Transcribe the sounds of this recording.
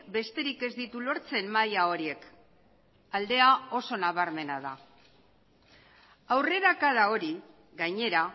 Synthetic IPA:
be̞st̪e̞ɾike̞zd̪it̪ulo̞ɾt͡se̞mmajao̞ɾie̞k | ald̪e̞ao̞so̞naβaɾme̞nað̞a | awre̞ɾakaðao̞ɾi | ɣajɲe̞ɾa

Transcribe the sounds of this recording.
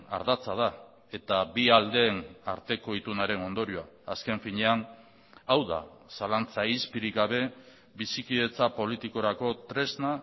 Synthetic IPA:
a̰ɾðat͡sað̞a | e̞t̪abiald̪e̞ːna̰ɾt̪e̞ko̞it̪unaɾe̞no̞nd̪o̞ɾioaːske̞ɱfiɲe̞an | awða̰salant͡saispiɾiɡaβ̞e̞ | βisikiðe̞t͡sapo̞lit̪iko̞ɾako̞t̪ɾe̞zna

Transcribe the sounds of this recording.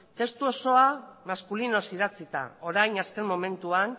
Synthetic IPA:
t̪e̞st̪uo̞so̞amaskulino̞siðat͡sit̪a̰o̞ɾajnaske̞mmo̞me̞nt̪uan

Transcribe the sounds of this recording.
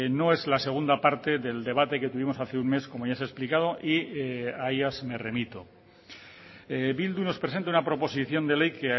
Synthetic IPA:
no̞e̞zlase̞ɣ̞und̪apaɾt̪e̞ðe̞ld̪e̞β̞at̪e̞ke̞t̪uβimo̞saθeunme̞skomojasesplikað̞o̞ʔiaejasme̞re̞mit̪o | bild̪uno̞spɾes̬e̞nt̪aunapɾo̞po̞siθjo̞nd̪e̞le̞jke

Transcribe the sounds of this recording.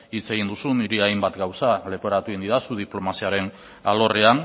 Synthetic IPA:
it͡se̞ɣind̪usuniɾiajmbat̪ɡawsale̞poɾat̪uind̪iðasuð̞iplo̞masiaɾe̞n | alo̞rean

